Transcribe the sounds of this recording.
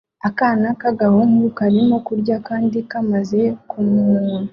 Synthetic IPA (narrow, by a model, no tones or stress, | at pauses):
akaːnakaɡahoŋukaɾimo̞kuɾɟakaːndikamaze̞kumuːnu